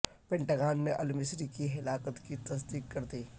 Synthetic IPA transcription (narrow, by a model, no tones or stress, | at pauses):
pɛ̃ɳʈaːɡaːnmẽʔɐlmɪsɾikiɦɪlaːkət̪kit̪ɐsd̪iːkkɐɾd̪iː